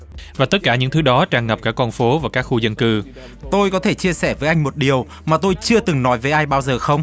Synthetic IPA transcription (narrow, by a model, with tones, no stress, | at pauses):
vaː˨˩t̪ə˦˥t̚kaː˧˩ɲɨ̰˧˥ŋt̪ʰɨ˨˦ɗɔ˨˦t͡ɕaː˧˩ŋə˨˩p̚kaː˦˥kːɔ˧nfo˨˦vaː˨˩kaː˦˥k̚xu˧zə˧nkɨ˧ | t̪o˧jkɔ˨˦t̪ʰe˧˩t͡ɕi˧əsɛ˧˩vəː˨˦jʔa˧jŋ̟mo˨˩t̚ɗi˨˩əw | maː˨˩t̪o˧jt͡ɕɨ˧ət̪ɨ˨˩ŋnɔ˨˦jvəː˨˦jʔaː˧jɓaː˧wzəː˨˩xə˧wŋ͡m